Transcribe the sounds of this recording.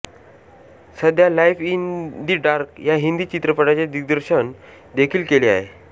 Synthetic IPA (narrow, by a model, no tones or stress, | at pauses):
səd̪ʱjalajfind̪iɖaɾkjaɦind̪iːt͡ɕit̪ɾəpəɽat͡ɕad̪iɡd̪əɾɕən | d̪ekʰiːlkelea̰ɦḛ